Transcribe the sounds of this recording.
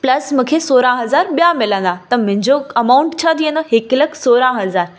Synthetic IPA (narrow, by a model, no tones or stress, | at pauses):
pləsmukʰesoɾãɦəzaɾbjamelə̃nd̪at̪əm̤ə̃ɲd͡ʑoəmauɳʈt͡ɕʰad̪ienəɦekləksoɾãɦəzaːɾ